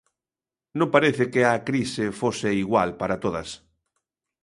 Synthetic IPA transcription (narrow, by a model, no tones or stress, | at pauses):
nõmpaɾeθɪkeakɾisɪfoseiɣwalpaɾat̪oðɐs